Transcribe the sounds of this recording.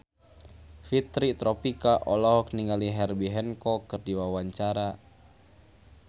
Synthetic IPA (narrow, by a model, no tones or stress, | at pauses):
fit̪ɾit̪ɾʔɔpikaʔɔlɔɦɔk̚niŋaliɦɛrbiɦɛnkɔkərdiwawaɲt͡ʃaɾa